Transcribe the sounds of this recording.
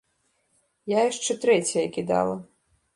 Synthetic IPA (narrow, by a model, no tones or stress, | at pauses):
jajaʂt͡ʂɛt̪ɾɛt͡sʲɐjɐkʲid̪a̰lˠɐ